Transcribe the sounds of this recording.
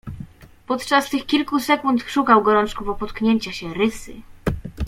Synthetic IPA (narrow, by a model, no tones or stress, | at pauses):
pɔt̪t͡ʂast̪ɘxkʲilkusɛkunt̪ʂukawɡɔɾɔnt͡ʂkuvɔpɔt̪kɲeɲt͡ɕaɕɛɾɘsɘ̰